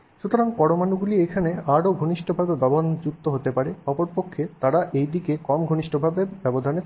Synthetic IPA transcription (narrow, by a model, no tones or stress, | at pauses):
ʃut̪oɾaŋpɔɽomanuɡuliekʰaneaɾoɡʱoniʃʈʰobʱabebɔbond͡ʑukt̪ːoɦot̪epaɾeɔpoɾpokʰːet̪aɾaʔejd̪ikekɔmɡʱoniʃʈʰobʱabebɛbod̪ʱane